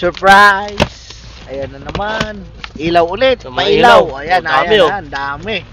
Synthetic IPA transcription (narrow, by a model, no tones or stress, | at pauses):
səɹpɾajs | ajananaman | ʔilawʊlɪt̪̚pailawajanamɪand̪amɪ